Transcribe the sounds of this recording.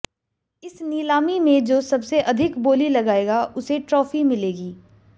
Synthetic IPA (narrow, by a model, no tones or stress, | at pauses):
ɪsniːlaːmimẽd͡ʒoːsɐbseʔɐd̪ʱɪkboːlilɐɡaːeːɡaʊseʈɾɔːfimɪleːɡiː